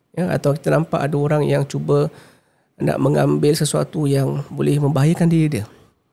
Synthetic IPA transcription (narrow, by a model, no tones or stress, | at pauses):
jəa̰t̪awki̥t̪anampaʔadaoɾaŋjaŋt͡ʃubə | na̰ʔməŋambɪlsəsua̰t̪ujaŋbolɛhmə̃mbaɦajakandiɾidiə